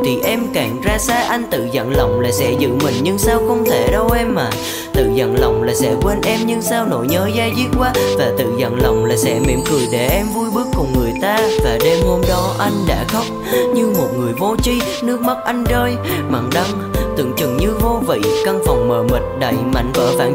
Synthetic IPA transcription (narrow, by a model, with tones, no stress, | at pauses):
t̪ʰi˨˩ʔɛ˧mkaː˨˩ŋzaː˧saː˧ʔa˧jŋ̟t̪ɨ̰˧˨zə̰˧˨nlə˨˩wŋ͡mlaː˨˩sɛ̰˧˥zɨ̰˧˥mï˨˩ŋ̟ɲɨ˧ŋsaː˧wxə˧wŋ͡mt̪ʰe˧˩ɗə˧wʔɛ˧mːaː˨˩ | t̪ɨ̰˧˨zə̰˧˨nla˨˩wŋ͡mlaː˨˩sɛ̰˧˥kwe˧nʔɛ˧mɲɨ˧ŋsaː˧wno̰˧˥jɲəː˨˦jzaː˧jzi˦˥t̚kwaː˧vaː˨˩t̪ɨ̰˧˨zə̰˧˨nla˨˩wŋ͡mlaː˨˩sɛ̰˧˥mḭ˧˨˥əmkɨ˨˩əjɗe˧˩ʔɛ˧mvu˧jɓɨ˦˥əkːʊ˨˩ŋ͡mŋɨ˨˩əjt̪aː˧vaː˨˩ɗe˧mho˧mɗɔ˨˦ʔa˧jŋ̟ɗa̰ː˧˥xə˦˥wk͡p̚ɲɨ˧mo˨˩t̚ŋɨ˨˩əjvo˧t͡ɕi˧ | nɨ˦˥ək̚ma˦˥t̚ʔa˧jŋ̟zəː˧j | ma̰˧˨˩ŋɗa˧ŋ | t̪ɨ̰˧˩ŋt͡ɕɨ˨˩ŋɲɨ˧vo˧vḭ˧˨ka˧ŋfɔ˨˩wŋ͡mməː˨˩mi˨˩t̟̚ɗə˧˩jma̰˧˨jŋ̟və̰ː˧˥vaː˧˩